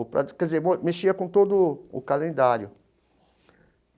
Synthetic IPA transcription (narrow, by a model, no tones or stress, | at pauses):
pɾɐ̰kɛdzemomeʃiɐkõt̪od̪ʊʊ̰kalẽnd̪aɾjʊ